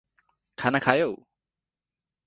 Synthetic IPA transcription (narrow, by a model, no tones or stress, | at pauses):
kʰanakʰajow